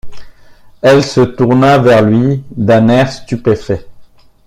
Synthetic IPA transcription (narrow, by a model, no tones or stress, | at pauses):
ɛlsət̪uʁnavɛʁlɥid̪ɛ̃nɛʁst̪ypefɛ